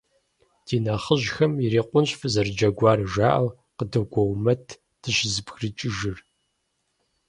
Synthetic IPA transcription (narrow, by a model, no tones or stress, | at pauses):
d̥iːnɐχəʒxɐmjiɾeːqʷʼʊnɕfzɐrd͡ʒɐɡʷɑːrɨʒaːʔɐw | qədɐɡʷɔwmɐtʰ | tʰɨʃzɨpxrɨt͡ʃʼɪʒɨr